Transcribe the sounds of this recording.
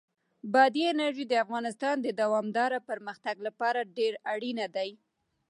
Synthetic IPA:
bɑd̪iɪnaɾʒid̪əafɣɑnɪst̪ɑnd̪əd̪awɑmd̪ɑɾapəɾməxt̪aɡlapɑɾaɖeɾaɽinad̪aj

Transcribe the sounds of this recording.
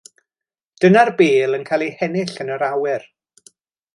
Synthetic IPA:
d̥ənarbeːlˠənkʰaːlˠihɛnɪɬənəɾawɪr

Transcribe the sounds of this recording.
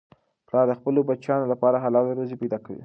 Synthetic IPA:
plɑɾd̪əxpəlobat͡ʃjɑnolapɑɾaɦalɑlɾozepajd̪ɑkawḭ

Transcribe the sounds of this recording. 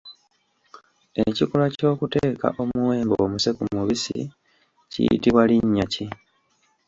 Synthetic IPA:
e̞cikolaco̞ːkute̞ːka̰ʔo̞muwe̞ːmboːmuse̞kumuβisḭ | cḭjḭtiβwaliɲːaci

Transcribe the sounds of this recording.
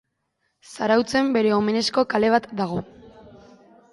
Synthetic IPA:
saɾawt͡se̞mbe̞ɾe̞o̞me̞ne̞sko̞kale̞β̞at̪d̪aɣ̞o̞

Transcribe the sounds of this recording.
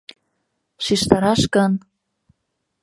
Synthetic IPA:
ʃiʃt̪ɑɾɑʃkɤ̆n

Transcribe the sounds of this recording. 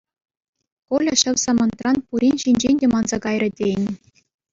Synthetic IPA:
kolʲɤ̆ɕɘ̆ʋʲsɑmɤ̆nt̪rɑnpuɾʲinʲɕinʲd͡ʑenʲdʲemɑnzɑkɑjrʲɤ̆dʲenʲ

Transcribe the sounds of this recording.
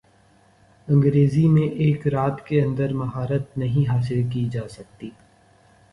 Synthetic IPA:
ɐ̃ŋɡɾeːzimẽʔeːkɾaːt̪keɐ̃nd̪əɾmɐɦaːɾət̪̚nɐɦĩɦaːs̬ɪlk̬id͡ʒaːsɐk̚t̪iː

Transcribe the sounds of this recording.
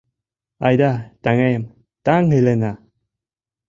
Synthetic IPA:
ajdataŋem | taŋhelena

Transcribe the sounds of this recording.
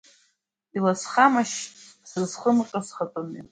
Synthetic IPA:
ilasχamaʃ | sɨrzχəmqʼasχatʼoni

